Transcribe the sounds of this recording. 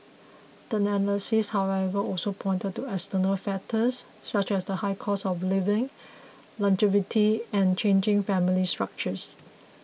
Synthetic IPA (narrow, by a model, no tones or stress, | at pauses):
d̥əənɛlisishawɛvəɔlsopʰɔ̃ɪ̃ntət̚tːuɛkstənəlfɛtʰəs | sat͡ʃɛsdəhaɪkʰɔsɔflɪvɪ̃ŋ | lãnd͡ʒɪvitʰiɛ̃nt͡ʃẽnd͡ʒɪ̃ŋfɛ̃milistɹak̚t͡ʃəs